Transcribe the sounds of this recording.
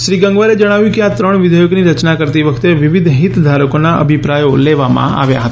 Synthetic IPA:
ʃɾiɡə̃ŋɡʋaɾed͡ʒəɽ̃aʋjũkeat̪ɾəɽ̃ʋɪd̪ʱəjoɡniɾət͡ʃnakəɾt̪iʋəkʰt̪eʋɪʋɪd̪ʱɦit̪d̪ʱaɾəkonaʔə̰bʱipɾajoleʋamã̰a̰ʋja̰ɦət̪aa

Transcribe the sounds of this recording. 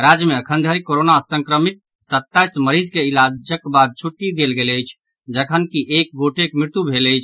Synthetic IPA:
ɾad͡ʒjəmeəkʰənd̪ʱəɾikoɾonasə̃ŋkɾəmit̪̚ | sət̪ːajsməɾid͡ʒkeilad͡ʒəkbad̪̚t͡ʃʰuʈːid̪elɡeləjt͡ʃʰ | d͡ʒəkʰənkiʔek̚ɡoʈekmɾɪɾt̪ubʱeləjt͡ʃʰ

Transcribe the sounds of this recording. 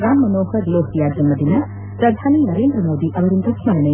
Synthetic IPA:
ɡaːmːɐnoːhɐɾloːɦʈ̪ijaːd̪jɐmɐd̪inɐ | pɾɐd̪ʱaːninɐɾeːnd̪ɾɐmoːd̪iʔɐʋɐɾind̪ɐkʰimaɾɐnɐ

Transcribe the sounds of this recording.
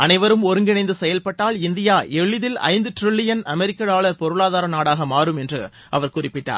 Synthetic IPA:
ɐnɐɪʋɐɾɯmɔɾɯŋɡɪnɐɪnd̪ɯsɛjɐlpɐʈːaːlɪnd̪ɪjaːʔɛɭːɪðɪlɐ̰ɪnd̪ɯʈɾɪɭːɪjɐnɐmɛɾɪkːɐɽaːɭɐɾpɔɾɯɭaːðaːɾɐnaːɽaːɣɐmaːɾɯmɛndrɯ | ɐʋɐɾkʊrɪpːɪʈːa̰ːɾ

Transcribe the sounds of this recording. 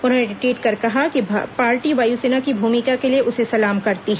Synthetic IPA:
ʊnɦoːneɖɪʈiːʈkɐɾkɐɦakipaːɾʈiʋaːjuseːnakibʱuːmɪkakelieʔʊsesɐlaːmkɐɾt̪iɦɛ̃

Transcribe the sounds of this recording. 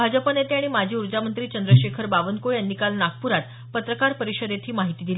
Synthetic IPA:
bʱad͡ʑəpənet̪eaɽ̃imad͡ʑʱiːuɾd͡ʑamənt̪ɾiːt͡ɕənd̪ɾəɕekʰəɾbaʋənkojanːikalnak̚puɾat̪ | pət̪ɾəkaɾpəɾiɕəd̪et̪ʰiːmaɦit̪iːd̪ili

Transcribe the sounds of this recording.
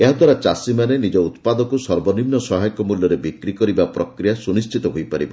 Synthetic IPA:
eɦad̪waɾat͡ʃasimanenid͡ʒɔut̪pad̪ɔkusɔɾbɔnimnɔsɔɦajɔkɔmulːjɔɾebikɾikɔɾibapɾɔkɾijasunist͡ʃʰit̪ɔɦojpaɾḭbɔ̰

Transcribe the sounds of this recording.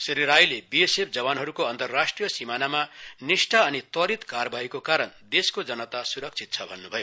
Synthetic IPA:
sʌɾiɾajlebiesep̚ʰd͡zʌbanɦʌɾukoʌnt̪ʌrːasʈrijʌsimanamanisʈʰaʌnit̪ʌɾit̪kaɾrʌbaikokaɾʌnd̪eskod͡zʌnʌt̪asuɾʌk̚t͡sʰit̪̚t͡sʰʌbʱʌnːubʱʌjo

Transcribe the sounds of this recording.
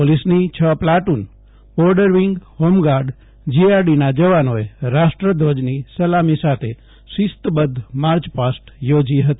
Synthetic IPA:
polisnit͡ʃʰəplaʈun | bɔɾɖəɾʋiŋɡhomɡaɾɖ | d͡ʒiaɾɖinad͡ʒəʋanoeɾasʈɾəd̪ʱod͡ʒnisəlamisat̪ʰe | sist̪bəd̪ʱːmaɾt͡ʃpasʈjod͡ʒiɦət̪i̥

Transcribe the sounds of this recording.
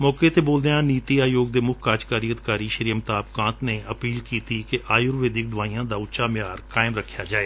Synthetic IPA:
mɔːkeːt̪eːboːld̪eãːniːtt̪iːaːjoːɡ̚d̪eːmʊkʰkaːd͡ʒkaːɾiːəd̪ɪkaːɾiːʃəɾiːəmt̪aːp̚kãːt̪neːʔəpiːlkiːt̪ikeʔaːjʊɾʋeːd̪ɪk̚d̪ʊʋaːiːãːd̪aːʊʃaːmɪjaːɾkaːɪmɾəkʰːjaːd͡ʒaːeː

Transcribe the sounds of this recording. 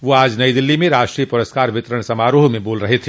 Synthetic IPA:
ʋoaːd͡ʒnɐid̪ɪlːimẽɾaːʃʈɾiːjəpʊɾəskaːɾʋɪt̪ɾəɽ̃sɐmaːɾoːɦmẽboːlɾɐɦet̪ʰe

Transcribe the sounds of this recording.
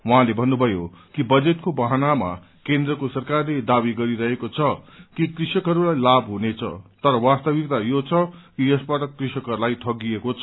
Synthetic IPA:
wʌɦãlebʱʌnːubʱʌjokibʌd͡zet̪kobaɦanama̰ | kend̪rʌkosʌrkarled̪abiɡʌɾiɾʌɦekot͡sʰʌkikrisʌkɦʌɾulajlabɦunet͡sʰʌ̰t̪ʌɾʌwast̪ʌbikt̪ajot͡sʰʌkijʌsbaʈʌkrisʌkɦʌɾulajt̪ʰʌɡiekot͡sʰʌ

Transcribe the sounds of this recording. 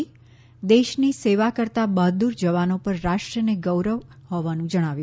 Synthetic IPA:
d̪eʃniseʋakəɾt̪abaɦd̪uɾd͡ʒəʋanopəɾːaʃʈɾəneɡəwɾəʋhɔʋanũd͡ʒəɽ̃aʋjũ

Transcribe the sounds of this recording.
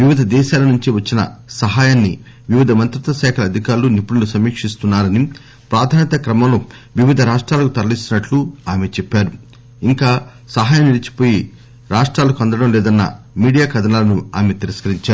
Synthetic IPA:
ʋiʋid̪ʱɐd̪ɛːʃaːlɐnuɲt͡ʃiʋɐt͡ʃːinɐ̰sɐɦaːjaːnːi | ʋiʋid̪ʱɐmɐnt̪ɾut̪ɐʃɛːkʰɐlɐd̪ʱikaːɾulunipːuɽulusɐmiːkʂist̪unːaːɾɐni | pɾaːd̪ʱaːnɐt̪ɐkɾɐmɐmlo | ʋiʋid̪ʱɐɾaːʂʈɾaːlɐkut̪ɐɾɐlist̪unɐʈluaːmet͡ʃɛpːaːɾu | iŋkaː | sɐɦaːjɐmnilit͡ʃi̥po̞ːji | ɾaːʂʈɾaːlɐkuɐnd̪ɐɽɐmlɛːd̪ɐnːɐ̰ | miːɽijaːkɐd̪ʱɐnaːlɐnua̰ːmet̪iɾɐskɐɾiɲt͡ʃaːɾu

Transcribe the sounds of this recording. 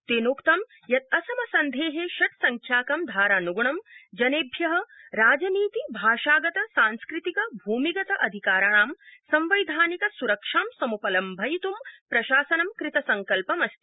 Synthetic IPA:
t̪eːnoːkt̪ɐm | jɐt̪̚ɐsɐmɐsɐnd̪ʱeːɦeʃɐʈ̚sɐŋkʰjaːkɐmd̪ʱaːɾaːnuɡuɳɐmd͡ʒɐneːbʱjɐɦɐ̆ɾaːd͡ʒɐniːt̪ibʱaːʃaːɡɐt̪ɐsaːnskɾɪt̪ikɐbʱuːmiɡɐt̪ɐʔɐd̪ʱikaːɾɐɳaːmsɐmʋɐjd̪ʱaːnikɐsuɾɐkʂaːmsɐmupɐlɐmbʱɐjit̪umpɾɐʃaːsɐnɐmkɾɪt̪ɐsɐŋkɐlpɐmɐst̪i̥

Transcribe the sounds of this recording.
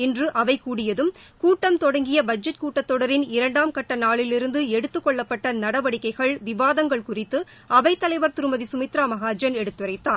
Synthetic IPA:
ɪndrɯʔɐʋɐɪkuːɽɪjɐðɯmkuːʈːɐmt̪ɔɽɐŋɡɪjɐbɐd͡ʒɐʈ̚kuːʈːɐt̪ːɔɽɐɾɪnɪɾɐɳɖaːmkɐʈːɐnaːɭɪlɪɾɯnd̪ɯɛɽɯt̪ːɯkːɔɭːɐpːɐʈːɐnɐɽɐʋɐɽɪkːɐɪɣɐɭʋɪʋaːðɐŋɡɐɭkʊrɪt̪ːɯ | ʔɐʋɐɪt̪ːɐlɐɪʋɐɾt̪ɪɾɯmɐðisʊmɪt̪ɾaːmɐɣaːd͡ʒɐnɛɽɯt̪ːɯɾɐɪt̪ːaː

